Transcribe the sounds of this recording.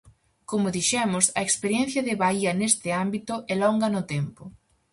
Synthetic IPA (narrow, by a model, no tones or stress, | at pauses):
komʊðiʃɛmʊsɐekspeɾjɛn̟θjɐðɪβaiɐnest̪ɪambit̪ʊʔɛlɔŋɡɐnʊt̪ɛmpʊ